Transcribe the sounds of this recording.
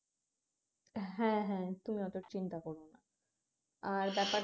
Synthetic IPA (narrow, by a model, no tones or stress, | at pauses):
ɦɛ̃ɦɛ̃t̪umiɔt̪oɾt͡ɕint̪akɔɾona | aɾbɛpa